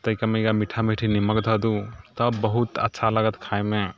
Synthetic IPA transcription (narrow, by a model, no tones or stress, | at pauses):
t̪əjkameiɡamiʈʰamiʈʰiniməkd̪ʱɔd̪ut̪ɔbbəɦut̪ə̰tːsʰaləɡət̪kʰajme